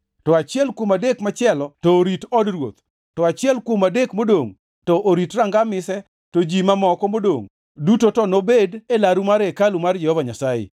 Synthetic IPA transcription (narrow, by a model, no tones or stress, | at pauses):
tɔat͡ʃɪɛlkwomadekmat͡ʃɪɛlɔtɔɾitɔdrwo̰t̪ | tɔat͡ʃɪɛlkwomadekmodoŋ | tɔʔoɾitraŋɡamɪsɛ | tod͡ʒimamɔkɔmodo̰ŋ | dutotɔnobedelaɾumaɾekalumard͡ʒɛhɔvaɲasajḛ